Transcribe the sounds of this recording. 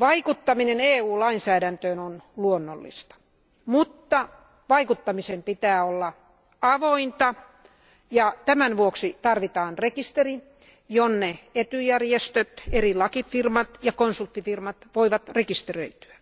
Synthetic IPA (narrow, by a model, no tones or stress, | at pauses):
ʋɑikut̪ːɑmineneːuːlɑinsæːɾænt̪øːnonluonːo̰lːḭst̪ɑ̥ | mut̪ːɑ | ʋɑikut̪ːɑmisempit̪æːolːɑ | ɑʋoint̪ɑ | jɑt̪æmænʋuoksit̪ɑrʋit̪ɑːnrekist̪eri | jonːeet̪yjærjest̪øt̪erilɑkifirmɑt̪jɑkonsult̪ːifirmɑt̪ʋoiʋɑt̪rekist̪erø̰it̪y̥æ